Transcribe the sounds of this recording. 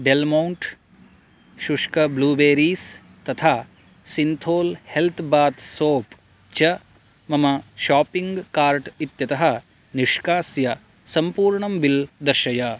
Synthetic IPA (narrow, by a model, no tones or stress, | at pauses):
ɖelmɐwɳʈ | ʃuʂkɐbluːbeːɾiːs | t̪ɐt̪ʰaː | sint̪ʰoːlhelt̪ʰbaːt̪soːp | t͡ʃɐ | mɐmɐʃaːpiŋɡkaːɾʈit̪jɐt̪ɐɦɐ | niʂkaːsjɐ | sɐmpuːɾɳɐmbild̪ɐɾʃɐja